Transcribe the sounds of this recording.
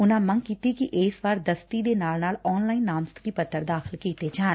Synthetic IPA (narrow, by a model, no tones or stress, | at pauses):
ʊnãːməŋkiːt̪iːkiʔeːsʋaːɾd̪əst̪id̪eːnaːlnaːlɔːnlaːiːnːaːmst̪kiːpət̪ʰːəɾd̪aːxʰɪlkiːt̪eːd͡ʒaːn